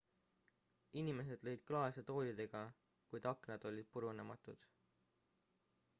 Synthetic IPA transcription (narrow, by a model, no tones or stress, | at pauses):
inime̞s̬e̞d̪̥lɤ̞jd̪̥̚klɑeset̪o̞ːlʲid̪e̞ɡ̥ɑ | kujd̪ɑknɑd̪̥o̞lʲid̪̥̚puɾunemɑt̪ˑud̪̥